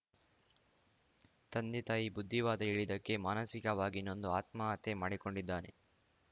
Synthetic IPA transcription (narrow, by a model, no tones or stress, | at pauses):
t̪ɐnd̪it̪aːjibud̪ʱːiʋaːd̪ɐiɭid̪ɐkːe̞maːnɐsikɐʋaːɡino̞nd̪uaːt̪maɐt̪e̞maːɽiko̞ɳɖid̪ːaːne̞